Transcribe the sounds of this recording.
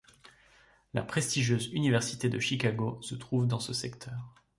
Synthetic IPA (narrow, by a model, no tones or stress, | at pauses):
la̰pχest̪iʒjøzynivɛʁsit̪ed̪əʃikaɡosət̪χuvd̪ɑ̃səsɛkt̪ʰœːʁ